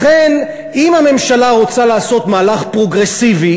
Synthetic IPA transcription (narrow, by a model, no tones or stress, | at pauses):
χen | imhame̞mʃalaʁo̞t͡salaːso̞t̪maːlaχpʁo̞ɡʁesivi